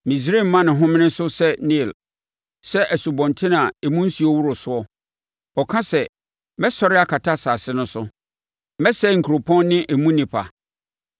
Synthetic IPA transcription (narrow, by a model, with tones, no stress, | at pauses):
mĩ˨s̬ɾe˦˨m˨mːã˦nɪ̃˨ɦʊ̃˦mɪ̃˦nɪ̃˦sʊ˦sɛ˦nĩ˦˨l | sɛ˦ʔæ˨su˨bɔ̃˨ntʰɪ̃˦nã˨ɛ˨mũ˦n̩˦si˨ɔ˦wu˦ɾʊ˨sʊ˦ɔ˦ | ɔ˨kʰã˦sɛ˨ | mɛ˦sɔ˨ɾɪ˦a˦kʰa˨tʰa˦saː˨sɪ˦nʊ̃˦sʊ˦ | mɛ˦sɛ˦˨ŋ̩˨kʰu˨ɾo˨pʰɔ̃˦nːɪ̃˦ʔɛ˨mũ˦nĩ˨pʰa̰˨